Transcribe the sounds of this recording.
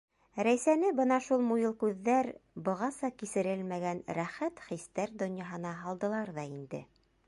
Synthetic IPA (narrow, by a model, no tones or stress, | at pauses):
ɾæjsænɘbɤnɑʃulˠmujɤlˠkʉðːæɾbɤ̆ʁɑsɑkisɘ̆ɾɘlmæɡænɾæχæt̪χist̪æɾd̪ŏnjɑɦɤ̆nɑɦɑlˠd̪ɤ̆lˠɑɾðɑind̪ɘ̰